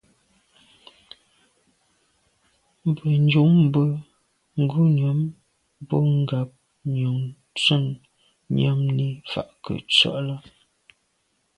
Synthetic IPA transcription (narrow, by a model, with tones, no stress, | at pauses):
m˨bə˨n˦d͡ʒu˨˦ŋm˦bə˦ | ŋ̩˦˨ɡu˦nɥɔ˨˦m | bo˦ŋ̩˦ɡa˨p̚ | ɲo˨ŋ | t͡sə˦˨ŋ | ɲa˦mni˦fa̰˨ʔkə̰˨t͡sɔ̰˦ʔla˦